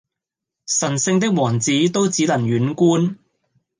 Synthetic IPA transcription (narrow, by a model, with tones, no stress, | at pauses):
sɐ˨˩nsɪ˧ŋt̪ɪ˥k̚wɔː˨˩ŋt͡siː˨˥t̪o˥wt͡siː˨˥lɐ˨˩ŋjɥyː˨˥nkuː˥n